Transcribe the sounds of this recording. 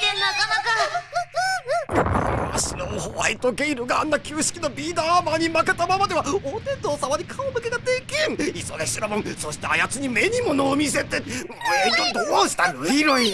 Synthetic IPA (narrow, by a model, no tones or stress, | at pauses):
enakaka | a̰ɕinohoβa̰it̪o̞ɡeiɾɯɡaːnːakʲɨːɕi̥kʲino̞bʲiːd̪amaɲ̟imake̞t̪ːamamad̪e̞βaot̪et̪oːsamaɲ̟ikʰaomɯ̟ke̞t̪ad̪ekʲẽŋisoɡ̪eɕiɾobõŋso̞ɕi̥t̪eajat͡sɨɲ̟ime̞ɲ̟imonoːmʲise̞t̪eet̪od̪oaoɕi̥t̪aɾɯ̟iɾõĩ